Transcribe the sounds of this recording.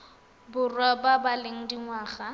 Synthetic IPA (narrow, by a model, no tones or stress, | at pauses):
bʊrwababaleŋ̩diŋwaːχa